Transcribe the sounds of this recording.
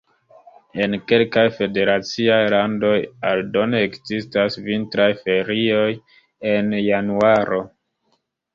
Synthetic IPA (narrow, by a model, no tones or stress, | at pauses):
e̞nke̞lkajfe̞de̞ɾat͡siajlando̞jaldo̞neekzistasvintɾajfe̞ɾio̞j | e̞njanuaɾo̞